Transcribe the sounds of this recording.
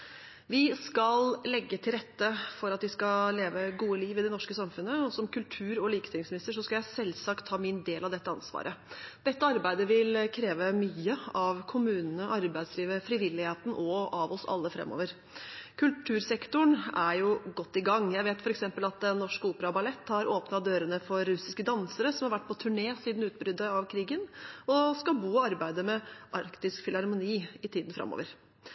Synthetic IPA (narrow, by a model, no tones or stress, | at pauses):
ʋɪskɑllɛɡːət̪ʰɪlɾɛt̪ːəfɔɾɑt̪ʋɪskɑleːʋəɡuːəliːʋɪd̪ɛnɔʂkəsɑmfʉnːəɔsɔmkʰʉlt̪ʰʉːɾɔliːkə̥t̪ʰɪŋsmɪnɪst̪əʂ̬ɔskɑljæɪsɛlsɑkt̪ʰːɑːmɪnd̪eːlɑʋd̪ɛt̪ːəɑ̰nsʋɑ̰ːɾʔəd̪̥ɛt̪ːəɑɾbæɪd̪əʋɪlkʰɾeːʋəmyːəɑʋkʰʊmʉːnənəʔɑɾbæɪd̪sliːʋəfɾɪʋɪlːɪheːt̪n̩ʔɔʔɑʋɔsɑ̰lːəfɾɛ̰mːo̰ːʋəɾ | kʰʉlʈʰʉːɾsɛkt̪ʊɳæɾjʊɡɔt̪ːɪɡɑŋjæɪʋeːt̪fɔɾɛksɛmpəlɑt̪̚d̪ɛnːɔʂkəuːpəɾɑbɑlɛt̪ːhɑɾʔoːpnɑtd̪øːɾənəfɔɾːʉsɪskəd̪ɑnsəɾəsɔmhɑɾʋæʈ̚ːpʰɔt̪ʰʉɳeːsiːd̪n̩ʉːt̪̚bɾʏd̪ːəɑʋkʰɾiːɡənɔskɑbuːɔɑɾbæɪd̪əmɛʔɑɾkt̪ɪskfɪlɑɾmʊniːɪt̪ʰiːd̪n̩fɾɑ̰mːo̰ːʋəɾ